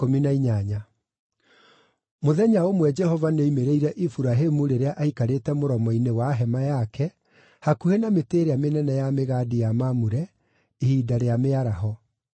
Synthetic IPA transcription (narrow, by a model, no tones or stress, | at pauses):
kominaiɲaɲa | moðɛɲaomwɛd͡ʒɛɦɔvaneimeɾeiɾɛʔifuɾaɦemuɾeɾeaʔaikaɾetɛmoɾɔmɔinewaɦɛmajakɛ | hakuhenameteɾeamenɛnɛjameɣadijamamuɾɛ | ihidaɾeameaɾaɦɔ